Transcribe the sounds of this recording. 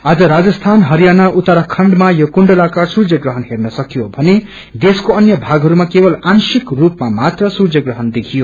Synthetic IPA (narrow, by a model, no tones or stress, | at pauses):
ad͡zʌɾad͡zʌst̪ʰanɦʌɾijanaʔut̪aɾʌkʰʌɳɖmajokuɳɖʌlakasurd͡zʌɡrʌɦʌnɦernʌsʌkjobʱʌne | d̪eskoʌnjʌbʱaɡɦʌɾumakebʌlansikrupmamat̪rʌsurd͡zʌɡrʌɦʌnd̪ekʰijo